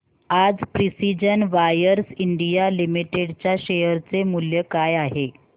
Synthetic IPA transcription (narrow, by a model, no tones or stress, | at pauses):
ad͡zpɾisid͡ʑənʋajəɾsiɳɖijalimiʈeɽt͡ɕjaɕejəɾt͡semuljəkajaɦe